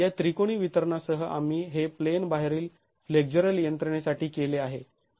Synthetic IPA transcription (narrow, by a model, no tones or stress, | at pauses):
jat̪ɾikoɽ̃iːʋit̪əɾɳasəɦəʔam̤iːɦeplenbaɦeɾiːl | fleɡ̚d͡ʑuɾəljənt̪ɾəɳjasaʈiːkeleaɦe